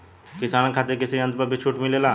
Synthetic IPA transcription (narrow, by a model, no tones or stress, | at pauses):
kɪsaːnkʰaːt̪ekɪsiɐ̃nt̪pəbʱit͡ʃʰuːʈmɪleːlaː